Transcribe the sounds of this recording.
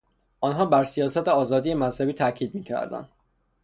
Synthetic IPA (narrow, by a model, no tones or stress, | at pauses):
ʔɒnɦɒːbæɾsijɒːsæt̪ʰeɒːzɒːd̪ijemæzhæbiːt̪ʰæʔcʰiːd̪̚miːcʰæ̰ɾd̪æ̰nd̪̥